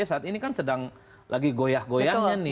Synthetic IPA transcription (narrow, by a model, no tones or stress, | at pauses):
asaːt̪inikansədaŋ | lʔaɡiɡojahɡojaɲanɪ